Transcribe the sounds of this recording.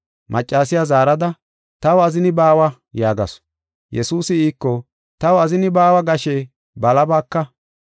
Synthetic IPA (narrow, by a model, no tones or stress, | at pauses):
mʔɐt͡ʃʼːaːs̬ɪjazaːɾɐd̪ɐ | t̪ɐwɐzɪnɪbaːwɐ | jaːɡɐ̰s | jɛsuːsɪiːkːɔ | t̪ɐwʊɐzɪnɪbaːwɐɡɐʃe | bɐlɐbaːkːɐ